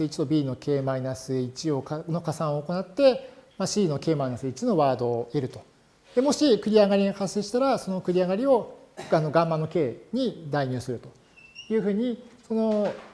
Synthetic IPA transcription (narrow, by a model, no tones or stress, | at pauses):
it͡ɕi̥t̪obʲiːno̞ke̞ːmainasɨit͡ɕio̞kano̞kasãɰ̃o̞ːko̞nat̪ːe̞maɕiːno̞ke̞ːmainasɨit͡ɕino̞βaːd̪o̞e̞ɾɯ̟t̪o̞ | d̪̥e̞mo̞ɕikɯ̟ɾʲiaɡaɾʲiɡakaseːɕi̥t̪aɾaso̞no̞kɯ̟ɾʲiaɡaɾʲio̞ano̞ɡãmːanːo̞ke̞ːɲ̟id̪aiɲ̟ɨːsɨɾɯ̟t̪o̞̥ | jɯ̟ːɸɯ̟ːɲ̟iso̞no̞